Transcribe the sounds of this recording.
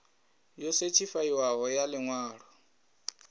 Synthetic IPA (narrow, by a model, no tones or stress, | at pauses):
joset͡ʃʰifaiwaɦɔjalɪŋwaːɺ̤ɔ